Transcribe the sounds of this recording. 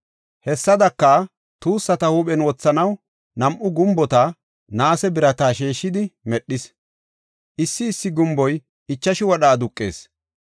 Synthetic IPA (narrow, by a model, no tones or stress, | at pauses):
hɛsːɐd̪ɐkːɐ | t̪uːsːɐt̪ɐhuːɓɛnwɔt͡sːɐnɐw | nɐmʔʊɡʊmbɔt̪a | naːsɛbɪɾɐt̪aːʃeːʃːɪd̪ɪmɛɗːɪs | ʔɪsːɪːsːɪɡʊmbɔj | ɪt͡ʃːɐʃɪwɔɗaːd̪ʊkʼːe̞̰ːs